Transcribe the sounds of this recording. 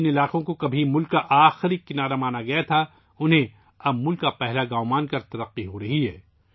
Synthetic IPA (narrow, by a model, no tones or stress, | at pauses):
nɪlaːqõkokɐbʱimʊlkːaʔaːxɪɾikɪnaːɾamaːnaɡɐjat̪ʰa | ʊnɦẽ | ɐbmʊlkːapɛɦlaɡaːmaːnkɐɾt̪ɐɾɐqːiɦoɾɐɦiɦɛː